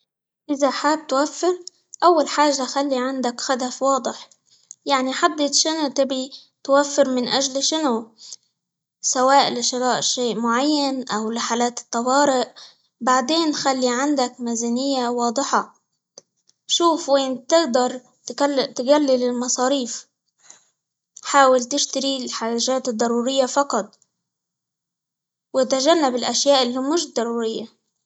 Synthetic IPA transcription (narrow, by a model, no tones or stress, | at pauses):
ʔɪzaħaːb̚t̪wafːɪɾ | ʔawːalħaːʒːaxalːiʕand̪akxad̪afwɑːd̪ˤɪħ | jaʕniħad̪ːɪt̪ʃɪnut̪ɪbi | t̪wafːɪɾmɪnʔaʒlʃɪnu | sawaːʔlɪʃɪɾɑːʔʃeːʔmʊʕajːanʔawlɪħaːlaːt̪ɪ̥t̪ˤːɑwɑːɾɪʔ | baʕd̪eːnxalːiʕɪnd̪akmazɪnɪjːawɑːd̪ˤɨħɑ | ʃuːfweːnt̪ɪɡd̪ɑɾˤ | t̪ɪɡalːɪlɪlmɑsˤɑːɾiːf | ħaːwɪlt̪ɪʃt̪aɾilħaːʒaːt̪ɨd̪ˤːɑɾˤuːɾɪjːafɑqɑt̪ˤ | wɪt̪aʒanːabɪlʔaʃjaːʔɪlːimɪʃd̪ˤːɑɾˤuːɾɪjːa